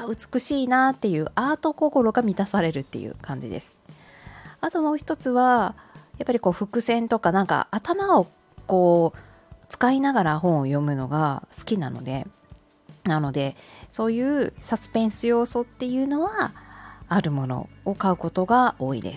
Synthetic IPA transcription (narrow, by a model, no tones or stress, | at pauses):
aɯ̟t͡sɨ̥kɯ̟ɕiːnat̪ːe̞jɯ̟ːʔaːt̪o̞ko̞ko̞ɾo̞ɡamʲit̪asaɾe̞ɾɯ̟t̪ːe̞̰jɯ̰kãɲ̟d͡ʑḭd̪e̞̰sɨ̥ | at̪o̞mo̞ːçi̥t̪o̞t͡sɨβajapːaɾʲiko̞ːɸɯ̟kɯ̟sẽ̞nt̪o̞kanãŋka̰ʔat̪amao̞ | ko̞ː | t͡sɨ̥kainaɡaɾaɦõ̞ɰ̃ojo̞mɯ̟no̞̰ɡasɨ̥kʲinano̞̰d̪e̞ | nano̞d̪e̞so̞ːjɯ̟ːsasɨ̥pẽ̞ɰ̃sɨjo̞ːso̞t̪ːe̞jɯ̟ːno̞βaː | ɾɯ̟mo̞no̞̰ːkaɯ̟ko̞t̪o̞ɡao̞ːḭd̪e̞̰s